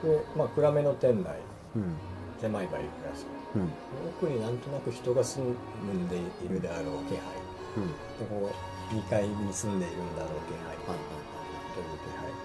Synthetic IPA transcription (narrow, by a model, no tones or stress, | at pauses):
demaːkɯ̟ɾame̞no̞t̪ẽ̞nɾa̰ḭ | semaiba̰ḭɾɯ̟ɾaɕi̥ | d̪oːkɯ̟ɲ̟inãnt̪o̞nakɯ̟çi̥t̪o̞ɡasɨ̃n | ɯnd̪e̞iɾɯ̟d̪eaɾo̞ːkehai | t̪okoː | ɲʲikaiɲ̟isɨ̃nd̪e̞iɾɯ̟̃nd̪aɾo̞ːk̪ehaiaiha | t̪oɾɯkeha̰i